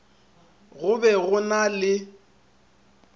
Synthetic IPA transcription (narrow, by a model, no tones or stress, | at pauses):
ɣʊbɛɣʊnalɪ